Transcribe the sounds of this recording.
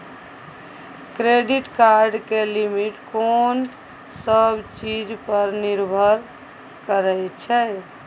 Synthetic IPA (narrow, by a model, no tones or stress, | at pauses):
kɾeɖiʈkaɾɖkelimiʈkon | səbʱt͡ʃid͡ʒpəɾniɾbʱəɾ | kəɾɛjt͡ʃʰɛ